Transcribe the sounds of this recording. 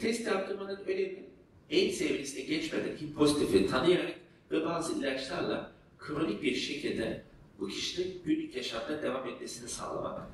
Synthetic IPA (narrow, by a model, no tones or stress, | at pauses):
t̪ʰɛst̪iaft̪ʰɯɾmanɯnøjlʲebii | ɛnsevisinʲɛɟɛt͡ʃmed̪ɛ̰ncʰipʰo̞zit̪ʰifit̪ʰanɯjaɾak | vɛbaːzɯilʲat͡ʃlʲˠaɾlˠa̰ | kʰɯɾalˠɯkbiɾʃe̞cʰilʲd̪ɛ | bucʰi̥ʃinʲiɟynlʲycjaʃamd̪ad̪e̞vamɛt̪̚me̞sinisa̰ːlˠa̰ma̰k̪